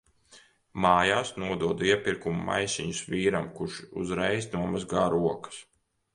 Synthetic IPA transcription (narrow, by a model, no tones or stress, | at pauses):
maːjaːsnuɔd̪uɔd̪iɛpiɾkumuma̰jsʲiɲusviːɾamkuɾʃṵzɾɛjsnuɔmazɡaːɾuɔkɐ̥s